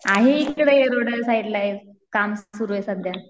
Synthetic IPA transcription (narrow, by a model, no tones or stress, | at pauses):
aɦeikːəɽeeɾoɽəsaiʈlae | kamssuɾuʋesənd̪ʱja